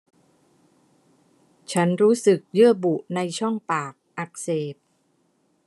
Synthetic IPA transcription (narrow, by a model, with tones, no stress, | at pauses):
t͡ɕʰa˦˥nɾuː˦˥sɯ˨˩k̚jɯ˥˩ɐbu˨˩ʔna˧jt͡ɕʰɔ˥˩ŋpaː˨˩k̚ʔa˨˩k̚seː˨˩p̚